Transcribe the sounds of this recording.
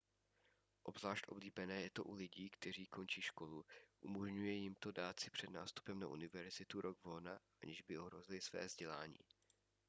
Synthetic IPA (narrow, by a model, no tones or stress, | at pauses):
ʔobzlaːʃt̪ʔo̞̰bliːbɛnɛːjɛt̪o̞ʔulɪɟiːkt̪ɛr̝iːko̞nt͡ʃiːʃko̞luʔumoʒɲujɛjɪmt̪o̞daːt̪t͡sɪpr̥ɛdna̰ːst̪u̥pɛmnaʔṵnɪvɛɾzɪt̪uɾʔoɡvolnaʔa̰ɲɪʒbɪo̞ɦɾo̞zɪlɪsvɛ̰ːzɟɛlaːɲḭː